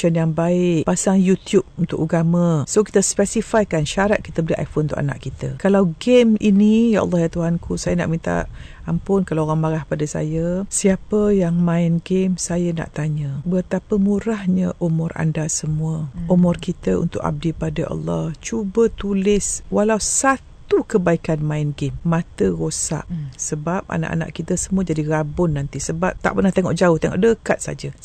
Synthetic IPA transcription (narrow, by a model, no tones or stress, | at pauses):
ʃənjaŋbaɪʔpasaŋjut̪jub̚unt̪ʊkuɡamasoki̥t̪əspɛsifajkanʃaɾat̪̚ki̥t̪əbəliʔa̰jfonnt̪ʊ̰ʔa̰na̰ʔkit̪əkalawɡeminijaʔɑ̰lˠːɑhjat̪uɦankʰusajəna̰ʔmint̪a̰ | ampʊnkalaoɣaŋmaɡahpadasa̰jəsiapəjaŋmãɪnɡemsajəna̰ʔt̪aɲəbət̪apəmuɾahɲəʔumʊra̰ndasəmuəumɔrkit̪əṵnt̪ʊka̰b̚dipadaʔɑ̰lːɑht͡ʃubət̪ulɪswalausat̪ukəbaikanmaɪnɡemːãt̪əɣosa̰ʔsəbap̚a̰na̰ʔa̰na̰ʔkit̪əsəmuəd͡ʒadiɾabʊnːant̪isəbap̚t̪a̰ʔpərnaht̪eŋɔʔd͡ʒaʊht̪eŋɔ̰ʔdəkat̪̚sa̰d͡ʒə